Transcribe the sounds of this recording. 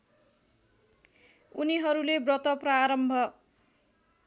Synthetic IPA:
uniɦʌɾulebrʌt̪ʌpraɾʌmbʱʌ

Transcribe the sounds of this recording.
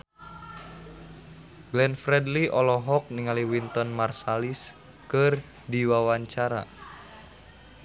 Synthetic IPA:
ɡlɛnfɾɛdliʔɔlɔɦɔk̚niŋaliwint̪ɔnmarsalis | kɨr | diwawaɲt͡ʃaɾa̰

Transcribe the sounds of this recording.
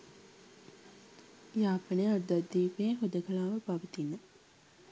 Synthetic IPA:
jaːpənəjaɾud̪ad̪ːiːpeːɦod̪əkəlaːʋəpaʋət̪inːə

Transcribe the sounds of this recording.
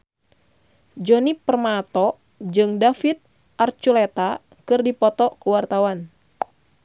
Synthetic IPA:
d͡ʒɔnipərmat̪ɔ | d͡ʒɨŋdafit̪̚ | ʔart͡ʃulet̪a | kɨrdipɔt̪ɔkuwart̪awan

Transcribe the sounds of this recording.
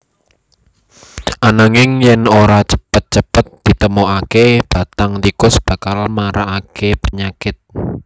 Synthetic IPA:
ʔanaŋɪŋjɛnoɾat͡ʃə̥pət̪̚t͡ʃəpət̪̚d̪̥i̤t̪əmoakeb̥a̤t̪aŋt̪ikʊsb̥a̤kalmaɾaʔːkepəɲakɪt̪̚

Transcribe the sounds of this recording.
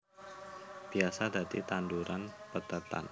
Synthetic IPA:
b̥iasad̪a̤t̪it̪anduɾanpət̪ət̪a̰n

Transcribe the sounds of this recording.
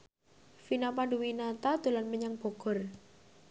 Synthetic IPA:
finapaɳɖuwinat̪ad̪̥o̤lanməɲaŋb̥ɔ̤ɡ̥ɔ̤r

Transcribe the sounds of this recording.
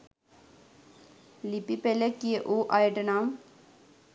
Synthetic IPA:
lipipelekieʔuʔajʈənam

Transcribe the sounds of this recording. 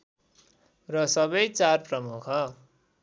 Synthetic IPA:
rʌsʌbʌjt͡sarprʌmukʰʌ

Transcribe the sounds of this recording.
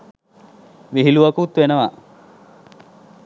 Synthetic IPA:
ʋiɦiluʋɐkut̪ʋenəʋa

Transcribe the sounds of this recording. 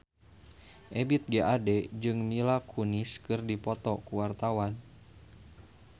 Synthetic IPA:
ʔɛbit̪̚ɡeʔadɛd͡ʒɨŋmilakʰuniskɨrdipɔt̪ɔkuwart̪awan

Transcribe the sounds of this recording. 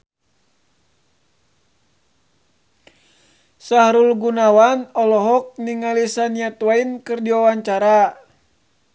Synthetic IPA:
saɦɾulɡunawanɔlɔɦɔk̚niŋalisanijat̪wainkɨrdiwawaɲt͡ʃaɾa

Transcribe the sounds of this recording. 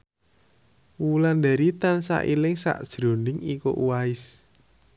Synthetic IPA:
wuland̪a̤ɾit̪ansa̰ʔilɪŋsa̰ʔd̥ʒ̥ɾo̤nɪŋiko̰ʔuwaɪs

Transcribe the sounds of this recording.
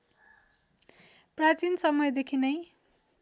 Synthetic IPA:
prat͡sinsʌmʌjd̪ekʰinʌj

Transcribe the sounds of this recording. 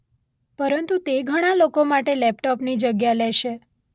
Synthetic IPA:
pəɾənt̪ut̪eɡʱəɽ̃alokomaʈelɛpʈɔpnid͡ʒəɡjaleʃe

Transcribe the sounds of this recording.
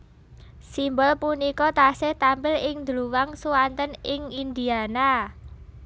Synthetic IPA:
simbɔlpunikɔt̪asɪht̪ampɪlɪŋd̪əluwaŋsuwant̪ənɪŋind̪iana

